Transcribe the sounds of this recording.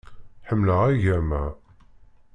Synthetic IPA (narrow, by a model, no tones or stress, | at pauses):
ħəmːləʁæʝæmæ